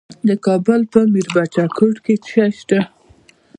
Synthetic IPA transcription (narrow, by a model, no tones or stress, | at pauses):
d̪əkɑbʊlpəmiɾbat͡ʃakʰəʈket͡ʃaʃt̪a